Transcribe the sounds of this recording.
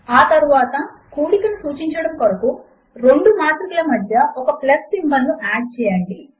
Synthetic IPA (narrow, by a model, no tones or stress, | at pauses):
aːt̪ɐɾuʋaːt̪ɐkuːlikɐnusuːt͡ʃiɲt͡ʃɐɽɐmkɔɾɐku | ɾeɳɖumaːt̪ɾukɐlɐmɐd̪jɐɔkɐplɐsʈimbɐlːuʔaːɖ̚t͡ʃɛːjaːɳɖi